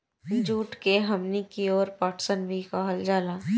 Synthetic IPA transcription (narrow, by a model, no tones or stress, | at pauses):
d͡ʒuːʈkeɦɐmnikiɔːɾpaːʈsənbʱikaɦəld͡ʒaːlaː